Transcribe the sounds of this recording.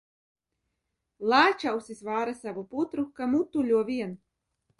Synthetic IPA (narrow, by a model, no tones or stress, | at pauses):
lˠaːt͡ʃawsizvaːɾasavuput̪ɾukamut̪ulʲuɔvʲiɛn